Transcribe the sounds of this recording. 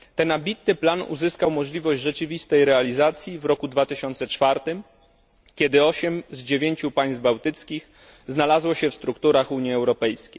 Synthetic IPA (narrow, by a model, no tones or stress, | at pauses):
t̪ɛnabʲit̪nɘplanṵzɘskawmɔʐlʲivɔʑd͡ʑʐɛt͡ʂɘvʲist̪ɛjɾɛalʲizat̪sʲjivɾɔkud̪vat̪ɘɕɔnt̪sɛt͡ʂfaɾt̪ɘm | kʲɛd̪ɘɔɕɛmzd͡ʑevʲjeɲt͡ɕupaj̃st̪bawt̪ɘt̪skʲix | znalazwɔɕɛfst̪ɾukt̪uɾaxuɲjiɛwɾɔpɛjskʲej